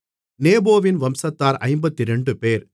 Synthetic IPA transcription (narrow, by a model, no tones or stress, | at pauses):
neːboːʋɪnʋɐmsɐt̪ːaːɾʔɐ̰ɪmbɐt̪ːiɾɛɳɖɯpeːɾ